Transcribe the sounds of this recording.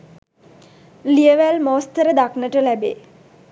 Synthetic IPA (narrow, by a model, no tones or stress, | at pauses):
lijəʋælmoːst̪əɾəd̪aknəʈəlæbeː